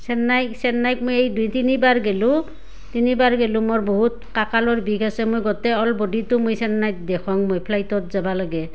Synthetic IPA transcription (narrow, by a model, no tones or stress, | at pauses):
sɛnːajksɛnːajk̚mojejdutinibaɹɡɛlũ | tinibaɹɡɛlũmɔɹboɦut̚ | kakalɔɹbʱikʰasɛmojɡɔtɛɔlbɔditʊmojsɛnːajt̚dɛkʰɔŋmojpʰlajtɔt̚zabalaɡɛ